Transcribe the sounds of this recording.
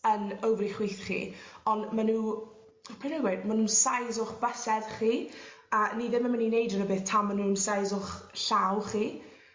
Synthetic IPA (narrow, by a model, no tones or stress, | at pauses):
ənowvliχwiːθχḭːɔnmanuː | pʰenaɡwedmanuːnsajzʊχbəsɛd̥χiː | əːniðɪməməninejdənəbeːθtʰamanuːnsajzʊχɬawχiː